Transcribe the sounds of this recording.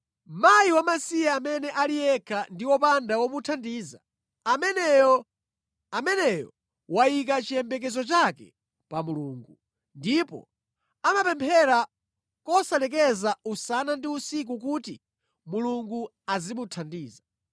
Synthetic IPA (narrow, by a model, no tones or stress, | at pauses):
majiwamasiaːmɛnɛʔalijɛkʰandiwɔpandawɔmutʰandiːza | amɛn | amɛnɛjɔ | wajikat͡ʃijɛmbɛk̬ɛzɔt͡ʃakɛ̰ | pamuluːŋɡu | ndipɔ̰ | amapɛmpʰɛɾa | kɔsalɛk̬ɛzausanandiusik̬ukuːti | muluŋɡu | azimutʰandiːza